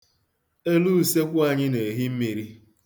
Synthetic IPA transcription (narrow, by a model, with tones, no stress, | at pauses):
e˦lu˦˨se˦kʷʊ˦a˨ɲɪ˦ne˨ɦi˦m̩˦mi˨ɾi˦